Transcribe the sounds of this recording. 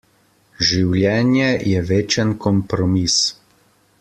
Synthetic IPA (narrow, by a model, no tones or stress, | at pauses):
ʒiwljɛːnjɛjɛʋeːt͡ʃənkɔmpɾɔmis